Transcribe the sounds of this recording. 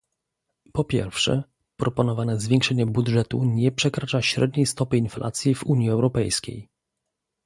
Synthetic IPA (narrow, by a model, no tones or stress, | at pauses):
pɔpʲjɛ̰ɾfʂɛ̰ | pɾɔpɔnɔvanɛzvʲjeŋkʂɛɲɛbudʐɛt̪uɲɛpʂɛkɾat͡ʂaɕɾɛd̪̚ɲejst̪ɔpɘinflʔa̰t̪sʲjivuɲjiɛwɾɔpɛjskʲḛj